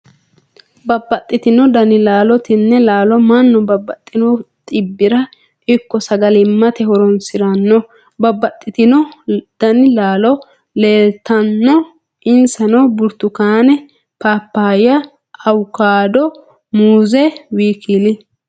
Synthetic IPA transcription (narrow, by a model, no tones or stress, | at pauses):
bɐbːɐt̪ʼːɪt̪ɪnɔd̪ɐnɪlaːlɔt̪ɪnːɛlaːlɔmɐnːɔbɐbːɐt̪ʼːɪnɔt̪ʼɪbːɪɾɐ | ɪkːɔsɐɡɐlɪmːɐt̪ɛhɔɾɔnsɪɾɐnːɔ | bɐbːɐt̪ʼːɪt̪ɪnɔd̪̥ɐnɪlaːlɔ | leːlt̪ːɐnːɔ | ʔɪnsɐnɔbʊɾt̪ʊkaːnɛ | paːpːaːjɐ | ɐwkaːd̪ɔ | muːzɛwiːkilɪ